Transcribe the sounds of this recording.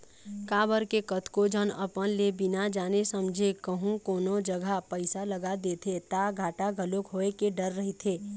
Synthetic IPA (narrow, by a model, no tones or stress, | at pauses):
kaːbəɾkekət̪ʰkod͡ʒənə̰pənlebɪnad͡ʒaːnesəmd͡ʒʱekəɦũkoːnod͡ʒəɡʱapəɪsaləɡad̪eːt̪ʰet̪aɡʱaːʈaɡʱəlokɦoːekeɖəɾːəɦit̪ʰeː